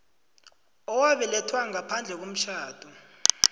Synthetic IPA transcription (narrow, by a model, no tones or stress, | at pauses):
ɔwaɓɛlɛtʰwaŋapʰand͡ɮʱɛk̬om̩ʃʰaːd̥ʱu